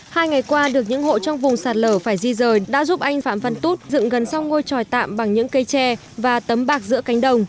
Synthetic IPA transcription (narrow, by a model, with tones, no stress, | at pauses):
haː˧jŋa˨˩jjkwaː˧ɗɨ˨˩ək̚ɲɨ̰˧˥ŋho̰˧˨t͡ɕɔ˧wŋ͡mvʊ˨˩ŋ͡msaː˨˩t̚ləː˧˩faː˧˩jzi˧zəː˨˩jɗa̰ː˧˥zu˦˥p̚ʔa˧jŋ̟faː˧˩mfə˧nt̪u˦˥t̚zɨ̰˧˨ŋɣə˨˩nsa˧wŋo˧jt͡ɕɔ˨˩jt̪a̰ː˧˨mɓa˨˩ŋɲɨ̰˧˥ŋkə˧jt͡ɕɛ˧ | vaː˨˩t̪ə˨˦mɓaː˦˥k̚zɨ̰˧˥əka˨˦jŋ̟ɗə˧˩wŋ͡m